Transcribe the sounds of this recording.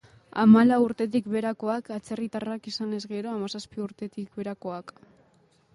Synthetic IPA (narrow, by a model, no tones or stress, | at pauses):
a̰malauɾt̪e̞t̪̬ikβe̞ɾako̞akat͡se̞rit̪arakisane̞zɣe̞ɾo̞amasaspiuɾt̪e̞t̪ik̚be̞ɾako̞ak